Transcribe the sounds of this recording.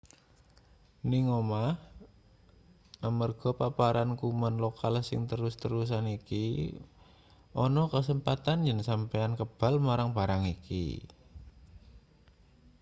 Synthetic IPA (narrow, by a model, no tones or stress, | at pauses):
niŋomah | ʔamərɡ̥ɔ̤papaɾankumanlokalsɪ̰ŋt̪əɾʊst̪əɾus̬aniki | ʔɔnɔkəsəmpat̪and͡ʒənsampeankəb̥a̤lmaɾaŋb̥a̤ɾaŋikḭ